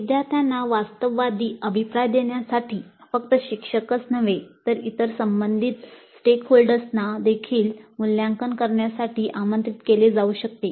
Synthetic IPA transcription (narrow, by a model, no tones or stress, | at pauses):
ʋid̪jaɾt̪ʰjanːaʋast̪əʋʋad̪iːəbʱipɾajd̪eɳjasaʈʰiːfəkt̪əɕikʂəkət͡snəʋet̪əɾit̪əɾsəmbənd̪ʱit̪sʈekʰɦolɖəɾsnad̪ekʰiːlmuljaŋkənkəɾɳjasaʈʰiːʔamənt̪ɾit̪keled͡zauɕəkt̪e